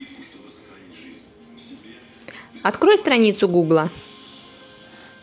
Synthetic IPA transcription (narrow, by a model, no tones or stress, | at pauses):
ɐt̪kɾo̞jst̪ɾɐnʲit̪sʊɡuɡlˠɐ